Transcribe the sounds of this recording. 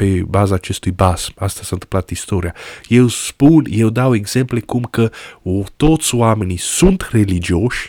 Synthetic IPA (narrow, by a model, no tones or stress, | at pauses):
pe̞bazaːt͡ʃe̞st̪ujbasmast̪asant̪ɨmplat̪ist̪o̞ɾijaje̞wspunje̞wd̪awe̞ɡz̥e̞mple̞kumkət̪o̞t̪sʲoame̞nisunt̪re̞lid͡ʒioʃʲ